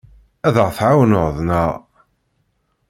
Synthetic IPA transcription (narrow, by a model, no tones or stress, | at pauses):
æðəʁθʕawənʊʁðˤnəʁ